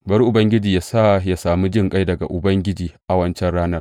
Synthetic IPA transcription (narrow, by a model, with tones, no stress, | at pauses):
bɐ˦ɾʔʊ˨bɐ˦ŋɡʲɪ˦d͡ʒiː˨ja˦sa˦˨ja˨saː˨mu˦d͡ʒɪ˦ŋkʼa˦jdɐ˨ɡa̰˨ʔʊ˨bɐ˦ŋɡʲɪ˦d͡ʒiː˨ʔa˨wɐ˦nt͡ʃɛ˦nɽaː˦nɐ˦r